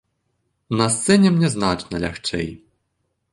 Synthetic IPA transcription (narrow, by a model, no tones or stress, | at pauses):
nast̪sɛɲʲɛmɲʲɛznat͡ʂnɛlʲɛ̰xt͡ʂɛ̰j